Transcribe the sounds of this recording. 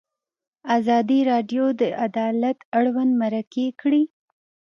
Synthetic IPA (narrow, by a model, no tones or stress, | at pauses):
azɑd̪iɾɑɖjod̪əʔad̪ɑlat̪aɽwand̪maɾakekɽi